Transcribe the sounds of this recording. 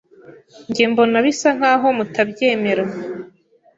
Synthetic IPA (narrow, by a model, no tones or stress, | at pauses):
ɲɟembo̞naβisaŋ̥haːɦo̞mutabje̞ːme̞ɾa